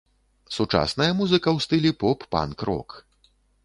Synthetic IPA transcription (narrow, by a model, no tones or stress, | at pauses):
sut͡ʂa̰snɐjɐmuzɨkɐwst̪ɨlʲipɔpːa̰nkɾɔ̰k